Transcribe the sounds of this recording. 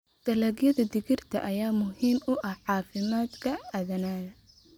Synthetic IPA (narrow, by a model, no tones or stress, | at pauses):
d̪̥ɐlɐːɡjɐðɐd̪ɪɣɪrt̪ʰɐ̰ʔɐjaːmʊhiːmʊʔɐhʕɑːfɪmaːd̪kʰɐɐðɐnaːðɐ